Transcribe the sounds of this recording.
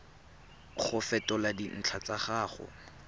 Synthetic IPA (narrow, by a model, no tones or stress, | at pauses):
q͡χʰʊfɛtɔladin̩t͡ɬʰat͡saχaːχɔ̰